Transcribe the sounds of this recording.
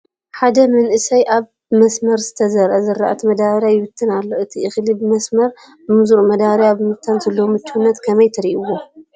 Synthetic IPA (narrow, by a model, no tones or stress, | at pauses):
ħad̪ɐmɐnʔɨsɐjʔaβ | mɐsmɐɾzɨt̪ʰɐzɐɾʔɐzɨɾːaʔat̪ʰimɐd̪aβɾjajɪwɨt̪ʰːɨnalːo̞ʔɨt̪ʰiʔɨxlibɨmɐsmɐɾ | bɨmuzuɾumɐd̪aβɾjaβɨmɨt̪ʰːanzɐlːowomɨt͡ʃːuunːɐt̪kʰɐmɐjt̪ʰɐɾiʔuwo